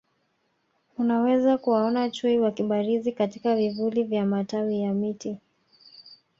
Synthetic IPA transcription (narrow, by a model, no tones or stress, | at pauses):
unawɛzakuwaɔnat͡ʃuiwakiɓaɾizikatikavivulivjamatawijamiti